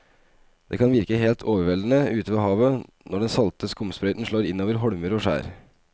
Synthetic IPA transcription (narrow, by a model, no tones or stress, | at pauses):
d̪̥ḛːkʰɑnʋɪɾkəɦeːlt̪ʰoːʋəɾʋɛld̪ən̩əʉːt̪əʋɑɦɑːʋə | nɔɖɛnsɑlt̪ʰəskʊmspɾœʏt̪n̩ʂɭoːɾɪnːoːʋəɾɦɔɽməɾɔːʂæ̰ːɾ